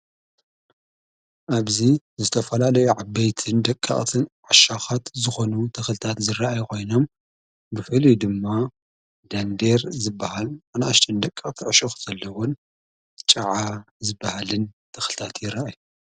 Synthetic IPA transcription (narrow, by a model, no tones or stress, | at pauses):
ʔaβzizɨt̪ʰɐfɐlalɐjuʕabːɐjt̪ʰɨnd̪ɐkʼːa̰χʼt̪ʰɨnʕaʃaxat̪zɨxo̞nut̪ʰɐxlɨt̪ʰat̪zɨraʔajkʰo̞jno̞m | bɨfɨʕlid̪ɨmːa | d̪and̪eɾzɨbːɐhalʕanʔaʃt̪ʰʼɐnd̪ɐkʼːakʼt̪ʰiʕʃoxz̥ɐlːɐwon | t͡ʃʼɐʕa | zɨbːɐhalɨnt̪ʰɐxlɨt̪ʰat̪jɪraʔaju